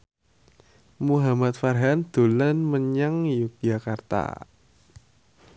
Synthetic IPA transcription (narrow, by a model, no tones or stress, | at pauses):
muɦamat̪̚farɦand̪̥o̤lanməɲaŋjʊk̚ʒakart̪a̰